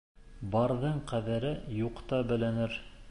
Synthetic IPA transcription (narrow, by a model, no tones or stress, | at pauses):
bɑɾðɤɴqæðæɾɘjuqt̪ɑbɘ̆lænɘɾ